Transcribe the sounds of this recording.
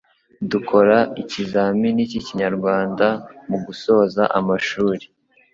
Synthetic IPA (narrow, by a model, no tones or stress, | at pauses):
dukʰo̞ɾaicizaminiciciɲaɾɡwaːndamuɡuso̞ːzaʔamaʃuːɾe̥